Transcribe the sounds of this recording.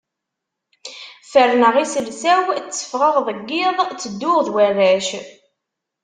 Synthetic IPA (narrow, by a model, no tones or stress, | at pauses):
fəɾnəʁisəlsæwt͡sːə̥fʁəʁðˤəɡːiðˤt͡sːəd̪ːʊʁðwærːæʃ